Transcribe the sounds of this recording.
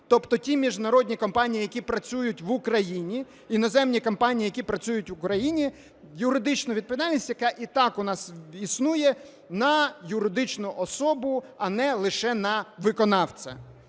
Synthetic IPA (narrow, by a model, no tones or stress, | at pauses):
t̪ɔpt̪ɔtʲimʲiʒnɐɾɔdʲnʲikɔmpɑnʲijijɐkʲipɾɐt͡sʲujʊtʲʋʊkɾɐjinʲi | inɔzɛmnʲikɔmpɑnʲijijɐkʲipɾɐt͡sʲujʊtʲʋʊkɾɐjinʲi | jʊɾɪd̪ɪt͡ʃnʊʋʲid̪̚pɔʋʲid̪alʲnʲisʲtʲjɐkɑʔit̪ɑkʊnɑsisnujɛ | nɐjʊɾɪd̪ɪt͡ʃnʊʔɔsɔbʊɐnɛlˠɪʃɛnɐʋɪkɔnɑwt͡sʲɐ̰